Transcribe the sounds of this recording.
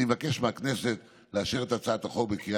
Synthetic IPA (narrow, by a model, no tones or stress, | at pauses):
evake̞ʃmeakne̞se̞t̪ | leaʃeʁet̪at͡saːt̪aχobekia